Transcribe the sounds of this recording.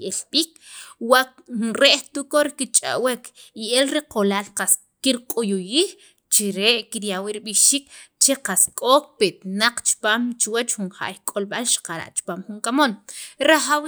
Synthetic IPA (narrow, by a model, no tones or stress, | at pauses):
elɓiːk | wa | ɾeʔht̪ukoɾikit͡ʃʼa̰wekielɾiqolaːlqas | kiɾqʼojujiːx | t͡ʃiɾeʔkiɾjawiɾiɓiʃiːkt͡ʃeqaskʼoːk̚pet̪naq͡χt͡ʃi̥paːmt͡ʃwat͡ʃxunxa̰ʔjkʼolɓalʃḁqaɾa̰ʔt͡ʃi̥paːmχuŋkamonɾaχaw